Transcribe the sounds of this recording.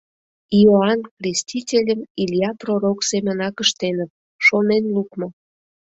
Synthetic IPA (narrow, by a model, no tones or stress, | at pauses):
ioɑnkrʲesʲtʲitʲelʲəmilʲjɑproɾoksemʲənɑkəʃt̪enət̪̚ | ʃonenlukmo